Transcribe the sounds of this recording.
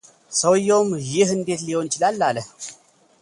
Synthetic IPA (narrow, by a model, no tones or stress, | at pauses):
səwjːomjɪhɨnd̪e̞t̪liho̞nt͡ʃɪlalːaləh